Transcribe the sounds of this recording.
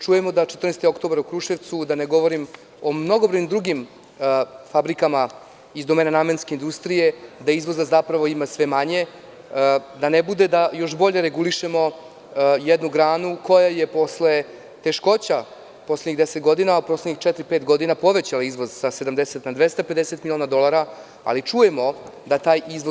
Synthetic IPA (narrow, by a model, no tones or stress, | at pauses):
t͡ʂujemod̪at͡ʃet̪r̩nest̪io̞kt̪o̞baɾukɾuʃeʋt̪sud̪aneɡo̞ʋo̞ɾim | o̞mno̞ɡobɾoɲimd̪ɾuɡim | fabɾikama | izd̪o̞meːnanamenske̞ind̪ust̪ɾije̞d̪aizʋo̞zazapɾaʋo̞imasʋe̞maɲe̞ | d̪anebud̪e̞d̪ajo̞ʃbo̞ʎe̞ɾeɡuliʃemo̞ | jed̪nuɡɾaːnuko̞jaje̞po̞sle̞ | t̪e̞ʃko̞t͡ɕa | po̞sledɲiɣd̪eset̪ɡo̞d̪inauposledɲixt͡ʃɛt̪ɾipet̪ɡo̞d̪inapo̞ʋet͡ɕalaizʋo̞zsase̞d̪amd̪eset̪nad̪ʋest̪ape̞d̪eset̪milʲioːnad̪o̞lˠaɾa | a̰lit͡ʂuje̞mo̞d̪at̪aːjizʋo